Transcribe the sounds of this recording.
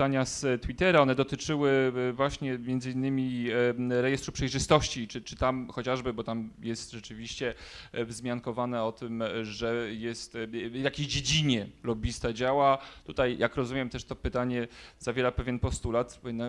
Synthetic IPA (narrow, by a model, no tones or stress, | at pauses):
aɲast̪wit̪ɛɾaɔnɛd̪ɔt̪ɘt͡ʂɘwɘvwaɕɲɛmʲjɛnd̪zɘinːɘmʲi | ɾɛjɛst̪ɾupʂɛjʐɘst̪ɔɕt͡ɕit͡ʂɘt͡ʂɘt̪amxɔt͡ɕaʐbɘbɔt̪amjɛst̪ʐɛt͡ʂɘvʲiɕt͡ɕɛ | vzmʲjaŋkɔvanɛɔt̪ɘmʐɛjɛst̪vjakʲeɕd͡ʑed͡ʑiɲɛlɔbʲist̪ad͡ʑawat̪ut̪ajjʔakɾɔzumʲɛmt̪ɛʂt̪ɔpɘt̪aɲɛzavʲjɛɾapɛvʲjɛnpɔst̪ulat̪nː